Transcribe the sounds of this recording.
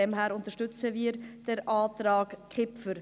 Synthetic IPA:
ɛmɦæːɾʊntəɾʃtʏt͡səʋiːɾd̥ɛɾʔaːtɾɑːkkχɪpfəɾ

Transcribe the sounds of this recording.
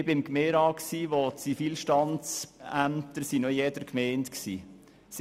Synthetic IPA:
bɪmkmeːɾɑːksiːʋot͡sifiːlʃtɑnt͡sæmtəɾsinojɛːdəɾkmɛɪntksḭː | s

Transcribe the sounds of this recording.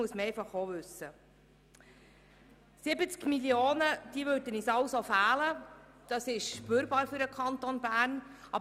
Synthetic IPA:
uəsməɾɛjfɑχoʋʉsːə | sɪbət͡skmilioːnəd̪̥iəvøːɾdənisɑlsofæːlə | d̥ɑsɪʃʃpyːɾbɑːɾfyɾdəkʰɑnt̪onbæːrn | ʔɑb

